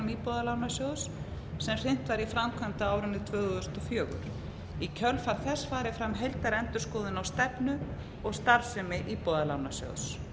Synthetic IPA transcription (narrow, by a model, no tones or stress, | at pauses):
mipɔːðalaːwnasjows | sɛmr̥ɪn̥t̪vaɾifɾamkʰvant̪aaːwɾʏnɪt̪ʰvœːɣðʏst̪ɔfjœːɣʏ̰ɾ̥ | icʰœlfaɾ̥θɛsfaːɾɪfɾamɦejlt̪aɾɛnt̪ʏɾ̥skɔːðɪnawst̪ɛpnʏ | ɔɣst̪aɾsɛmɪʔipɔːðalawnasjo̰ws